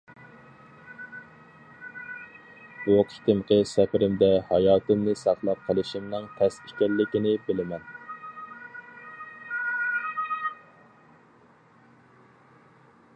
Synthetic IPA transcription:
buqʰi̥t̪ɪmqʰəsɛpɪɾɪmd̪ɛhɑjɑːt̪ʰɨmnɨsɑχlˠɑp̚qʰəlˠɨʃimnɨŋt̪ʰɛsikʲɛlːɪkʲinɪbɪlɪmɛn

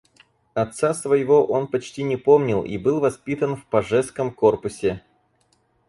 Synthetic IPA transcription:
ɐt̪sasvəjɪvo̞ʔo̞npɐt͡ɕtʲinʲɪpo̞mnʲɪlˠḭbɨlˠvɐspʲit̪ənfpɐʐɛskəmko̞rpʊsʲɪ

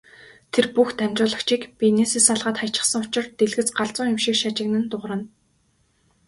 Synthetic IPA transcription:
t̪ʰerpuxt̪æmʲt͡ɕʊːɮə̆kt͡ɕʰiːkpʲinesiːsaɮʁaːt̪χajt͡ɕɪ̆sə̆ŋʊt͡ɕɪ̆rt̪eɮɣɘ̆t͡sɢaɮt͡sʊːŋjʊmʃiːkʃat͡ɕɪ̆knɘ̆nt̪ʊʁrə̆n

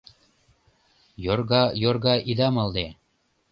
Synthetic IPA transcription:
jorɣɑjorɣɑʔid̪ɑmɑld̪e

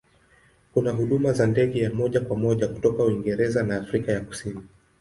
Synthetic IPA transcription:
kunaɦuɗumazandɛɠɛjamɔʄakwamɔʄaku̥tɔkauwiŋɡɛɾɛzanaːfɾikajaku̥sini

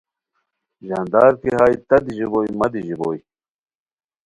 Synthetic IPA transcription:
ʑɐnd̪aːɾkiɦaːjt̪ɐd̪iʑiboːjmɐd̪iʑiboːj

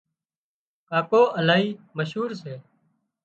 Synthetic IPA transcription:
kaːkoːəlaːɦiːməʃɦuːɾseː

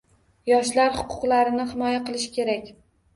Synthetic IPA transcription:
jɒʃlaɾhʊ̥qʰʊ̥qlaɾɪnɪhɪmɒjaqɨlˠɪʃɪ̥kʲʰe̞ɾakʲ

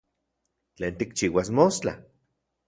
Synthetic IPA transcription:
t͡ɬeːnt̪ikt͡ʃiːwasmost͡ɬa̰

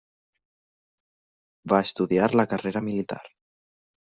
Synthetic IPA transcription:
baəst̪uðiaɾləkəreɾəmilit̪a̰ɾ

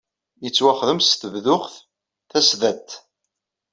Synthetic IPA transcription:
jət͡sːwaχðəmsθəvðʊχθ | θæsðæt̪

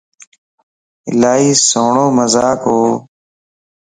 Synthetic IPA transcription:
ɪ̰laːɦiːsoːɳoːməzaːkɦoː

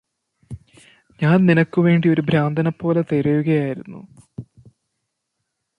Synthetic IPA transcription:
ɲaːnninɐkːuʋe̞ːɳɖio̞ɾubʱɾaːnd̪ʱɐnɐpːo̞ːlet̪eɾɐjuɣɐjaːjiɾunːṵ

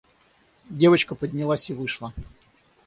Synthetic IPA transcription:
dʲe̞vət͡ɕkəpədʲnʲɪlˠasʲɪvɨʂlˠə

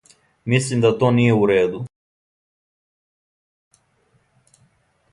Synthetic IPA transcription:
mislimd̪at̪oːnijeuɾeːd̪u

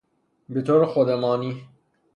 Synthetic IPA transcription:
bet̪ʰoɾxod̪elɑːni

